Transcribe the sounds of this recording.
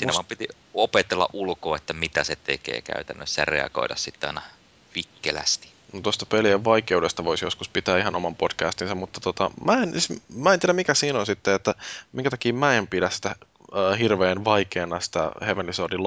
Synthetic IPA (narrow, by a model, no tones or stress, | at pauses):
siːnæɑmpit̪i | opet̪elːɑ̰ʔʔulkoːet̪ːæmit̪æset̪ekḛːkæ̰yt̪ænːøssɑrḛɑ̰ɡo̰idɑ̰ssit̪ːeɑ̰inɑ | pikːelæ̰st̪i̥ | not̪ost̪ɑpelieʋʋɑikeudest̪ɑʋoisjoskuspit̪æːihɑnomɑmpod̥kæːst̪insɑmmut̪ːɑ̥t̪ot̪ɑmæensismæːent̪iæɾæmikæsiːnonsit̪ːeet̪ːæmiŋkæt̪ɑ̥kiːmæempidæssi̥t̪æː | hirʋeːnʋɑikeːnːɑsi̥t̪æ̰heʋenisodil